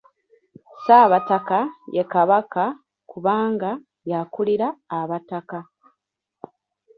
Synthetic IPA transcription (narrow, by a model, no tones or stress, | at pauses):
saːβatakajekaβaka | kuβaːŋɡa | jakuliɾaːβataka